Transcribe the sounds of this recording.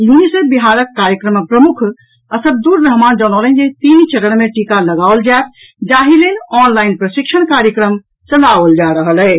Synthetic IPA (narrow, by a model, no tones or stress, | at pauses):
junisebiɦaɾəkːaɾjəkɾəmpɾəmukʰ | əsəb̚d̪uɾːəɦmand͡ʒənɔlənd͡ʒet̪int͡ʃəɾəɽ̃meʈikaləɡaold͡ʒaet̪̚ʰ | d͡ʒaɦilenɔnlainpɾəsikʃʰəɽkaɾjəkɾəm | t͡ʃəlaʋəld͡ʒaɾəɦəlɛ